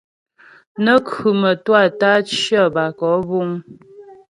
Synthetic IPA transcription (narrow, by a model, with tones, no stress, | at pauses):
nə˦kʉ˨mə˨twa˦˨ta˦t͡ʃjə˦˨ba˨kɔ˨˦bu˦ŋ